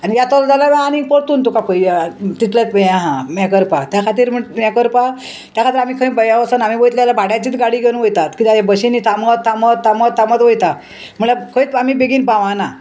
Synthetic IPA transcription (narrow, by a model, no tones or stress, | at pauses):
anijjat̪ɔld͡zalamaanĩpəɽt̪uːnt̪ukapəjat̪it̪lat̪pəjaɦãmakəɾpat̪jakʰat̪̬iːɾm̤əmakəɾpa | t̪jakʰat̪iːɾam̤iːkʰə̃bəjaʋəsənamiːbojt̪lalabʱaɽjãt͡ɕiːt̪ɡaɽiːɡʱeñũʋəjt̪at̪kit̪aɦebəɕiniːt̪ʰamət̪ʰːamət̪ʰːamət̪ʰːamət̪ʋəjt̪a | m̤əɭakʰəit̪amiːbeɡiːnpaʋãna